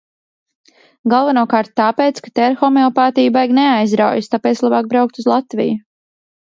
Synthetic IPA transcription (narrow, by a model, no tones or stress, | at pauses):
ɡalˠvanuɔkaːɾt̪̚tːaːpeːt̪skḁt̪ɛɾxɔmeɔpaːt̪ijbajɡneajzɾawjɪst̪apɛːt̪slˠabaːk̚bɾawk̚t̪uzlˠat̪vʲḭju